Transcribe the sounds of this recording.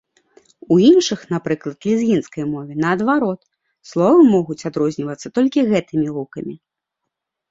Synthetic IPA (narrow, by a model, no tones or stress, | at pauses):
uinʂɨxnapɾɨklˠɐt̪lʲizɣʲinskɐjmɔvʲɛnɐːd̪vaɾɔt̪ | slˠɔvɐmɔɣut͡sʲad̪ɾɔzʲnʲivɐt̪sːɐt̪ɔlʲkʲiɣɛt̪ɨmʲiɾukɐmʲi